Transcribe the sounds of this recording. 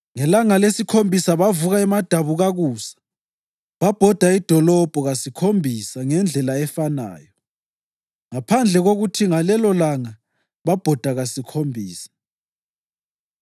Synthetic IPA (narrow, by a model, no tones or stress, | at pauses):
ŋɛlaŋalesikʰombʱisaβavuɣaɛmad̥ʱaβuɣaɣuːsḁ | βab̥ʱɔd̥ʱaid̥ʱɔlɔb̥ʱɔɣasikʰombʱisaŋɛnd͡ɮʱɛlaɛfana̰ːjɔ | ŋapʰand͡ɮʱɛɣoɣutʰiŋalɛlɔlaŋa | βab̥ʱɔd̥ʱaɣasikʰombʱiːsḁ